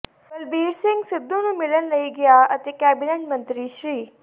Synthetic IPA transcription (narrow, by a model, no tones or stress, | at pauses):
bəlbiːɾsɪ̃ŋɡsɪd̪ːõnũːmɪlənləiːɡɪaːət̪eːkɛːbɪneːʈ̚mə̃nt̪ɾiːʃɾiː